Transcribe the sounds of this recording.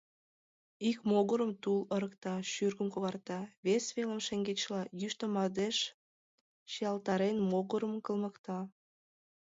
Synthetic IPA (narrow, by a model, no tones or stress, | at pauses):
ikmoɣəɾəmt̪ulə̆ɾəkt̪ɑʃyrɣəmkoɣɑrt̪ɑβesβelə̆mʃeŋɡet͡ɕlɑjyʃt̪omɑd̪eʃ | ʃijɑlt̪ɑɾenmoɣəɾəmkə̆lmə̆kt̪ɑ